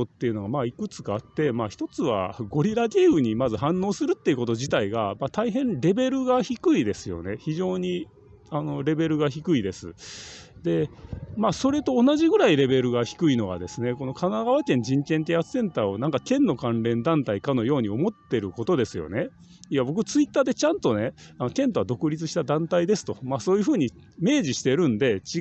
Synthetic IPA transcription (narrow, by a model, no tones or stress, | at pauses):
ot̪ːe̞iɯ̟no̞ɡamaːikɯ̟t͡sɨ̥ɡaːt̪ːe̞maːçi̥t̪o̞t͡sɨβa̰ɡo̞ɾʲiɾaɡʲe̞ːɯ̟ɲ̟imazɨɦãnːo̞ːsɨɾɯ̟t̪ːe̞iɯ̟ko̞t̪o̞ʑit̪aiɡamat̪aiɦẽ̞nɾe̞be̞ɾɯ̟ɡaçikɯ̟id̪e̞sɨjo̞̰ne̞çiʑo̞ːɲ̟i | ano̞ɾe̞be̞ɾɯ̟ɡaçikɯ̟id̪e̞sɨ̰ | d̪e̞maso̞ɾe̞t̪o̞ːnaʑiɡɯ̟ɾaiɾe̞be̞ɾɯ̟ɡaçi̥kɯ̟ino̞ɡa̰d̪e̞sɨne̞ko̞no̞kanaɡaβ̞akẽ̞ɲ̟d͡ʑĩŋkẽ̞nt̪̬easɨ̥sẽ̞nt̪aːo̞nãŋkakẽ̞nːo̞kãnɾẽ̞nd̪ãnt̪aikano̞jo̞ːɲ̟io̞mo̞t̪ːe̞ɾɯ̟ko̞t̪o̞d̪e̞sɨjo̞̰ne̞ | iabo̞k̬ɯ̟t͡sɨit̪ːaːd̪e̞t͡ɕãnt̪o̞ne̞ano̞kẽ̞nt̪oβad̪o̞kɯ̟ɾʲit͡sɨɕi̥t̪ad̪ãnt̪aid̪e̞sɨ̥t̪o̞maːso̞ːjɯ̟ɸɯ̟ːɲ̟i | me̞ːʑiɕi̥t̪e̞ɾɯ̟̃nd̪e̞t͡ɕi